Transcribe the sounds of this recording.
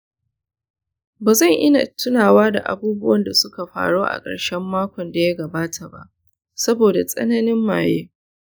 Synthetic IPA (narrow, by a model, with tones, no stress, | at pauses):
baː˨zɐ˦˨ŋʔɪ˦na̰˨tʰʊ˦naː˨waː˦da̰˨ʔa̰˨buː˦bʊ˦wɐ˦nda˨sʊ˦ka˨ɸa̰ː˨ɽoː˦ʔa̰˨kʼɐ̰˨ɽʃɛ˦mːaː˦kʷɔ˨nda˨ja˦ɡɐ˨baː˦tʰa˨ba̰˦ʔ | sɐ˦boː˨da˨sʼɐ̰˦nɐ˦nɪ˦mːaː˨jeː˦